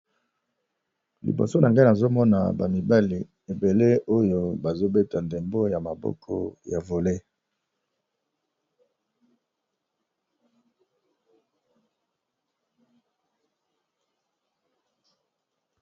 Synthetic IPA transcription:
lḭ˨bo̰˨so˦na˨ŋɡa˦na˨zo˦mɔ˦na˨ba˨mi˨ba˦li˨ | e˨be˨le˦o˦jo˦ba˨zo˦be˦ta˨nde˨mbo˦ja˨ma˨bɔ̰˦kʰɔ̰˦ja˨vo˨le˦

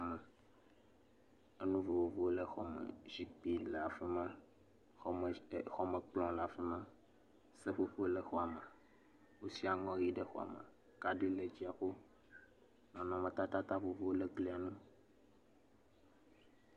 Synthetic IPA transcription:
a˨me˨ | e˦nũ˦vo˨vo˨vo˦o˦le˦xɔ˨mḛ˨zi˦k͡pi˦lə˨a˨fe˦mã˦˨ | xɔ˦me˨k͡plɔ̃˦la˨fe˦mã˦ | se˦ɸo˦ɸo˦le˦xo˦a˨me˨ | wo˦si˦a˨ŋɔ̃˦ɾi˦ɖe˦xo˨a̰˨mḛ˨ | ka˦ɖe˦le˨d͡ʑi˦a˨xo˦ | nɔ̃˨nɔ̃˨mẽ˨t̪a˦t̪a˦t̪a˦vo˨vo˦wo˦le˦ɡli˦a˨nũ˦

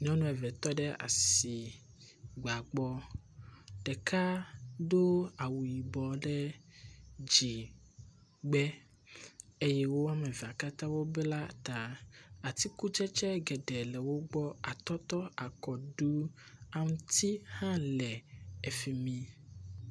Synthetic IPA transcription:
ɲɔ̃˦nũ˦ɛ˨vɛ˨t̪ɔ˦ɖɛ˦a̰˨si˨ | ɡ͡ba˨ɡ͡bɔ˦ | ɖɛ˨kʰa˦d̪o˦a˨wu˨ji˨bɔ˨ɖɛ˦ | d͡ʒi˨ | ɡ͡bɛ˦ | e˦jɛ˦wo˦wa˦me˨vi˨a˨ka˦t̪ã˦wo˦bɛ˦la˦t̪a˨a˨t̪i˦ku˦t͡ʃɛ˦t͡ʃɛ˦ɡɛ˨ɖɛ˨lɛ˨wo˦ɡ͡bɔ˦a˨t̪ɔ˦t̪ɔ˦a˨kɔ˨ɖu˦a˦ŋũ˦t̪i˦hã˦lɛ˨e˨fi˨mĩ˨

